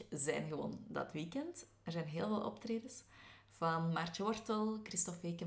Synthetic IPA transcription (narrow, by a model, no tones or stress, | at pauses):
zɛ̰ːnɣəʋo̰ːndɑ̰tʋiːkɛnt | ərzɛːnɦeːlˠvɑlˠʔɔ̰ptreːdəs | v̥ɑnmart͡ʃəʋɔrtəlˠkristɔfeːkə